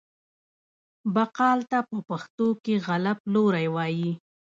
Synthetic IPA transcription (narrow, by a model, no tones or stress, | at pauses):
baqɑlt̪apəpaxt̪okeɣalaploɾajwɑji